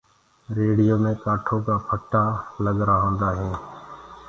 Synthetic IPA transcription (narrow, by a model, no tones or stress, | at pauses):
ɾeːɽɪjoːmẽːkaːʈʰoːkaːpʰəʈaːləɠɾaːɦõːnd̪aːɦẽː